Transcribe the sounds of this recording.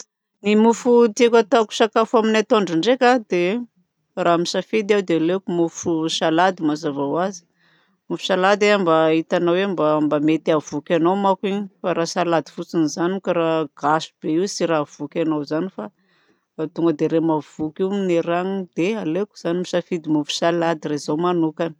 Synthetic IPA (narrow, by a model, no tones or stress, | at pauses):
nimufut̪iekʲat̪aku̥sakafaminat̪oɳɖ͡ʐiɳɖ͡ʐekʲad̪e | raːmisafid̪iawd̪ealekumufuʃalad̪imazavawazi̥ | mufu̥ʃalad̪eambait̪anawembambamet̪iavukʲanomakiɲifaɾasalad̪i̥fut͡sinizanikaɾaɡ̥asu̥b̥eiwsiɾav̥ukʲanowzanifa | t̪uŋɡəd̪eɾemav̥ukiumineɾaŋid̪ealeku̥z̥animisafid̪imufu̥salad̪iɾezowmanukani̥